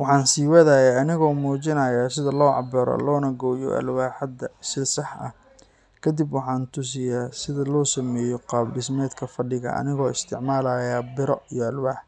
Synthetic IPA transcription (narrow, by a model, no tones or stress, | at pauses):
wɑħɑːnsiːwɐðɐjaɐnɪɣɔːmuːt͡ʃɪnɐjaːsɪðɐlɔːʕɑ̰bɛɾɔ̰lɔːnɐɡɔːjɔ̰ʔɐ̰lwaːħɐd̪ɐsɪsɑħʔɐ̰ | kʰɐd̪ibwɑħɑːnt̪ʰʊs̬ɪjaːsɪðɐlɔːsɐmɛːjɔqɑːbbɪsmɛːd̪kʰɐfɐɖɪɣɐ̰ʔɐ̰nɪɣɔːɪst̪ʰɪʕmaːlɐːjaːbɪɾɔijɔɐlwaːħ